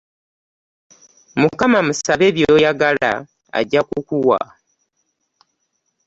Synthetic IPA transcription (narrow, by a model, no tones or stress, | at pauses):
mukamamusaβe̞ːβjoːjaɡala̰ | a̰ɟːakukuwa̰